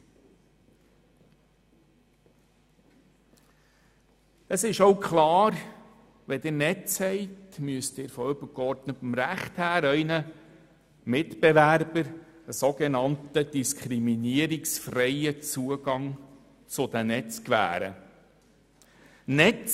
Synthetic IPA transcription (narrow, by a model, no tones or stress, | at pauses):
əsɪʃowkχlɑːɾ | ʋɛd̥̪ənɛt͡shɛɪtmyəstɪːɾfɔʏbəkɔɾdnətfɔmɾæχthæːɾœʏnə | mɪtb̥evæɾbəɾəsoɡenɑntəd̥iskʰχɾiminiəɾiksfrɛɪət͡suəɡɑŋ | t͡sʊd̪ænɛt͡skʋæ̰ːɾə̰ | nɛt͡s